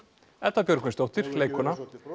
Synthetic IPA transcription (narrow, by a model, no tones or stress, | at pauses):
ɛt̪vapjœɾkɪnst̪owht̪ɪɾ̥leːjkʏna